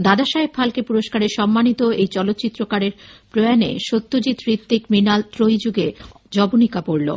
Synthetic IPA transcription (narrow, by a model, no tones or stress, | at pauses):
d̪ad̪aʃaepfʰalkepuɾoʃkaɾeɾʃɔmːanit̪oejt͡ɕɔlot̪ːt͡ɕit̪ːɾokaɾeɾpɾoeanḛʃot̪ːod͡ʑit̪ɾit̪ːikminalt̪ɾojd͡ʑuɡe | d͡ʑɔbonikapoɾlo̰